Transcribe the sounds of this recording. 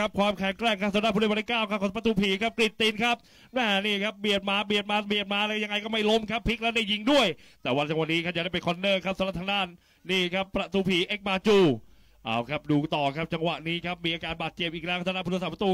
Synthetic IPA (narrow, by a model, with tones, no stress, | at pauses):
a˦˥p̚kʰwaː˧mkʰɛ˨˩˦ŋkɾɛː˥˩kʰːa˦˥p̚saː˨˩˦na˦˥pʰu˧˥˩t̪i˥˩kaː˥˩wkʰa˦˥kʰɔ˧˦˩pɾa˧t̪uː˧˩pʰiː˨˦kʰa˦˥p̚kli˨˩t̪ːi˧nkʰa˦˥p̚ | nɛː˧˩niː˥˩kʰa˦˥p̚bi˨˩ət̪̚maː˧˥bi˨˩ət̪̚maː˧bi˨˩ət̪̚maː˧˥lɛː˦˥ja˧ŋa˧jkɔː˥˩ma˥˩jlo˦˥mkʰa˦˥pʰːi˦˥k̚lɛ˦˥wda˥˩jːi˧ŋdu˥˩əjt̪ɛː˨˩wa˧nt͡ɕa˧wa˨˧nːiː˦˥kʰa˦˥ja˧˦da˥˩pe˧nkʰɔ˧˥nːɤː˥˩kʰa˦˥p̚sa˨˦na˧˥t̪ʰːa˧naː˥˩nː | iː˥˩kʰa˦˥pːɾa˧t̪uː˧˦pʰiː˩˦ʔe˦˥k̚maː˧t͡ɕuː˧˩ | ʔa̰ː˧˩wkʰa˦˥p̚duː˧t̪ɔː˨˩kʰa˦˥p̚t͡ɕa˧ŋwa˨˩ʔniː˦˥kʰa˦˥p̚miː˧ʔaː˧kaː˧nbaː˨˩t̪̚t͡ɕe˨˩p̚ʔiː˨˩k̚lɛ˦wka˥sa˧na˦˥pʰu˧a˧sa˨˩p̚ʰːɾa˧t̪uː˧